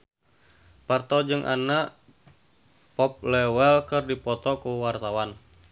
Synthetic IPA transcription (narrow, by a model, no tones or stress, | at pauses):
part̪ɔd͡ʒɨŋʔa̰naʔ | pɔp̚lɛwɛlkɨrdipɔt̪ɔkuwart̪awan